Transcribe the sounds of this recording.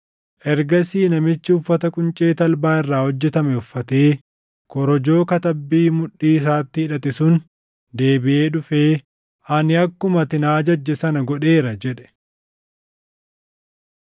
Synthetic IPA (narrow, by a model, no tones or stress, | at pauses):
ʔɛɾɡɐsiːnɐmɪt͡ʃːɪʊfːɐt̪ɐkʼʊnt͡ʃʼe̞ːt̪ɐlbaːɪrːaːhɔd͡ʒːɛt̪ɐmɛʊfːɐt̪eː | kɔɾɔd͡ʒo̞ːkɐt̪ɐbːiːmʊᶑːiːɪs̬aːt̪ːɪɪᶑɐt̪ɪsʊn | d̪e̞ːbɪʔe̞ːᶑʊfeː | ʔɐnɪɐkːʊmɐt̪ɪnaːd͡ʒɐd͡ʒːɛsɐnɐɡɔᶑe̞ːɾɐd͡ʒɛᶑɛ̥